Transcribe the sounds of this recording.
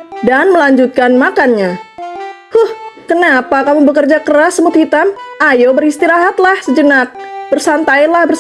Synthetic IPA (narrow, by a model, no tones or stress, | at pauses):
danməlaɲd͡ʒut̪̚kanmakanɲa | huhkənapakamubəkərd͡ʒakəɾasːəmut̪hit̪amajobəɾist̪iɾaɦat̪lahsəd͡ʒənak̚bərsant̪ainlahbər